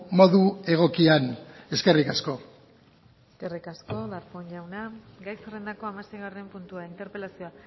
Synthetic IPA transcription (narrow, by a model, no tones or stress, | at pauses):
mo̞ðue̞ɣ̞o̞kiane̞ske̞rikasko̞ | kerikasko̞ðaɾpoɲʎawna | ɡajsere̞nd̪ako̞amasejɣare̞mpunt̪uaint̪e̞ɾpe̞lasio̞a